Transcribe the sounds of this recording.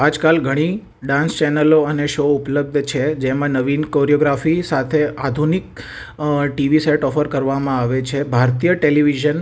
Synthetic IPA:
ad͡ʒkalɡʱəɽ̃i | ɖãnst͡ʃɛnəloəneʃoʊpləb̚d̪ʱt͡ʃʰed͡ʒemãnəʋinkoɾioɡɾafisat̪ʰead̪ʱunik̚ | ʈiʋiseʈɔfəɾkəɾʋamãaʋet͡ʃʰebʱaɾt̪ijəʈeliʋiʒən

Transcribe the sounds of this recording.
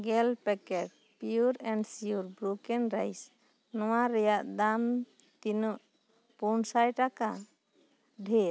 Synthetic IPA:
ɡɛlpɛkɛʈ̚ | piuɾɛɳɖsiuɾbɾukɛnɾajs | nɔwaɾɛjaʔd̪am | t̪inuʔ | punsajʈaka | ɖʱe

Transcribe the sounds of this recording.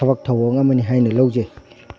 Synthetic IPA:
ɐβak̚tʰɐwɐŋɐmɐniɦajnɐlowze

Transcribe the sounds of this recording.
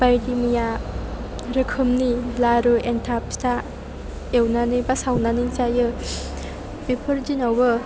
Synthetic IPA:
b̥ajdimija | ɾɯkʰɯmnilaɾɯentʰap̚sta | ewnanɯbasawnanint͡ʃajɯ | bipʰɯɾd͡ʒinawbɯ

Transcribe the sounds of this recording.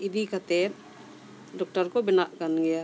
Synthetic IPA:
ɪd̪ikat̪et̪ | ɖɔk̚ʈəɾkobɪnaʔkənɡɛja

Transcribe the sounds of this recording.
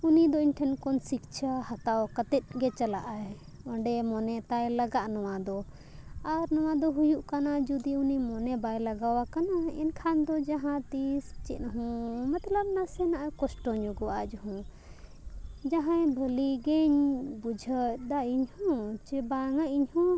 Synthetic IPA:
unid̪ɔiɲʈʰɛnkɔnsik̚t͡ʃʰahat̪awkət̪ɛt̪̚ˀɡɛt͡ʃalaʔaɛ | ɔ̃ɳɖɛmɔnɛt̪ajlaɡaʔnɔwad̪ɔ | aɾnɔw̃ad̪ɔɦujuʔkanad͡ʒud̪iunimɔnɛbajlaɡawakanaɛ̰nkʰand̪ɔd͡ʒaɦãt̪ist͡ʃɛt̪̚nɦɔ̃mat̪ləb̚nasɛnaʔakɔsʈɔɲɔɡɔwad͡ʒɔɦɔ̃ | d͡ʒaɦãjbʱəliɡɛɲbud͡ʒʱət̚d̪aiɲhɔ̃t͡ʃɛbaŋaʔiɲhɔ̃

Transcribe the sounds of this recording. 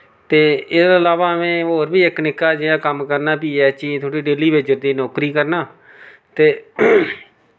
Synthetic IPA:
t̪eːɪsəlaːʋaːəmẽːɦoːɾbiːɪknɪkːaːd͡ʒeːaːkəmkəɾnaːpiːɛːt͡ʃiːt̪ʰʊɽiːɖeːliːbɪt͡ʃːd͡ʒəɾd̪iːnoːkɾiːkəɾnaː | t̪eː

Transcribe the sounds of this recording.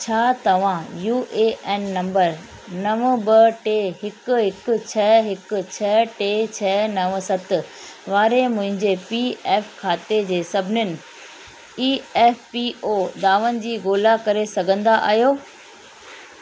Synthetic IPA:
t͡ɕʰaːt̪ɐʋ̤ãjuːʔeːʔɛːnːɐ̃mbəɾ | nɐʋbɐʈeːɦɪkʊ̆ɦɪkʊ̆t͡ɕʰɐɛːɦɪkʊ̆t͡ɕʰɐːʈeːt͡ɕʰɛnɐʋsɐt̪ɪ̆ʋaːɾemʊ̃ɦɪ̃ɲd͡ʑepiːɛːfkʰaːt̪ed͡ʑeːsɐbʱɪnɪnɪ̆ | iːɛːfpiʔoːd̪aːʋənɪ̆d͡ʑiːɡoːlakɐɾesɐɡʱə̃nd̪aʔa̰ːɦjoː

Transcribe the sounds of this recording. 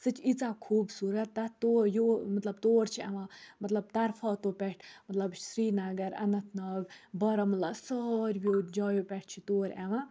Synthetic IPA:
sɨt͡ʃʰit͡sakʰuːbsuːɾɐt̪ːɐt̪ojoːmɐt̪lɐb̚t̪oːɾt͡ʃʰiɐʋãmɐt̪lɐb̚t̪ɐɾfʰɔːt̪oːpɛʈʰmɐt̪lɐbsɾiːnɐɡɐɾɐ̰nɐt̪ʰnɐːbʲbɐɾɐmɐlasɔːɾʲbjoːd͡ʒɔːjopɛʈ̚ʰt͡ʃʰit̪oːɾʲɛʋã

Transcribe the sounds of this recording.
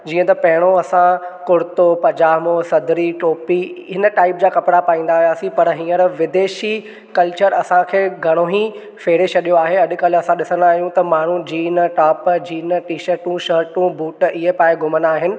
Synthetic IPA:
d͡ʑiːə̃t̪ɐpɐɦɪɽ̃oɐsãkʊɾt̪opɐd͡ʑaːɦmosɐd̪ʱɾiʈoːpiɦɪnəʈaːɪpd͡ʑaːkɐpɽapaːĩːnd̪aːɦijaːsĩpɐɾɦĩːə̃ɾʋɪd̪eːʃi | kɐlt͡ɕəɾɐsãkʰeːɡʱɐɽ̃oɦĩ | feːɽet͡ɕʰɐɗijoaːɦeɐɗ̆kɐlɐsãɗɪsənaːɦijũt̪ɐmaːɳ̤ũd͡ʑiːnʈaːpd͡ʑiːnʈiːʃəɾʈũʃəːɾʈũbuːʈɪɦepaːẽɡʱʊmənaːɦɪnɪ̆

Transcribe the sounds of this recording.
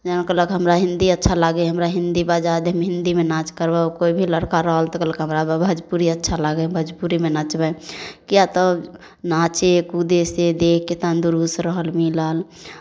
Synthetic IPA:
d͡ʒənkələkɦəmɾaɦĩnd̪iətːʃʰalaɡeɦəmɾaɦind̪ibad͡ʒad̪ʱəmɦɪ̃nd̪imenat͡ʃkəɾbakoibʱiləɽkaɾəɦəlt̪ɔkələkɦəmɾabʱəd͡ʒpuɾiətːʃʰalaɡɛbʱəd͡ʒpuɾimenat͡ʃbɛkijat̪ə | nat͡ʃekud̪esed̪ekːet̪and̪uɾusɾəɦəlmiləl

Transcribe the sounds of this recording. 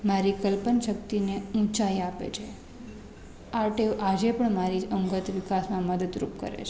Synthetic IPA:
maɾikəlpənʃək̚t̪ineũt͡ʃaiapḛt͡ʃʰe | aɾʈeʔad͡ʒepəɳmaɾiəŋɡət̪ʋikasmãməd̪əd̪ɾṵp̚kə̰ɾḛt͡ʃʰe

